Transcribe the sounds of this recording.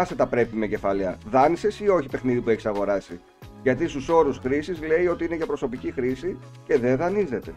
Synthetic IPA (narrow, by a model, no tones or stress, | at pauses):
ɐset̪ɐpɾe̞pime̞ce̞fɐlɐðɐnise̞sio̞çipe̞xniðipue̞çi̥sɐɣo̞ɾɐsi | ʝɐt̪ist̪uso̞ɾusxɾisizle̞io̞t̪iine̞ʝɐpɾo̞so̞picixɾisi | ce̞ðeðɐnizðe̞t̪e̞